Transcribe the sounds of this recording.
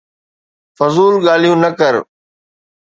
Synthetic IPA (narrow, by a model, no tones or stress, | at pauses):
fʊzuːlɠaːl̤ijũnɐkəɾ